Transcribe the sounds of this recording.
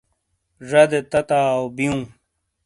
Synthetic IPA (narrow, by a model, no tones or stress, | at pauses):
ʐɐd̪et̪ɐt̪aːbiũː